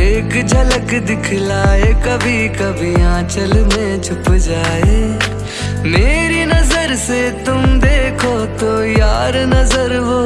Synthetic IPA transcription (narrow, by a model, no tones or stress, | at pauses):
eːkd͡ʒʱɐləkd̪ɪkʰlaːekɐbʱikɐbʱiãːt͡ʃəlmẽt͡ʃʰʊpd͡ʒaːeː | meːɾinɐzəɾset̪ʊmd̪eːkʰot̪ojaːɾnɐzəɾʋoː